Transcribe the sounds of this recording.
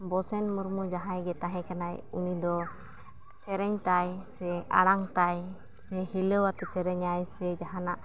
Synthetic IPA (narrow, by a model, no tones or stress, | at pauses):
bɔsɛnmuɾmud͡ʒaɦãjɡɛt̪aɦɛ̃kanajunid̪ɔ | sɛɾɛɲt̪ajsɛʔa̰ɽ̃aŋt̪aj | sɛhiləwat̪ɛsɛɾɛɲajsɛd͡ʒaɦanaʔ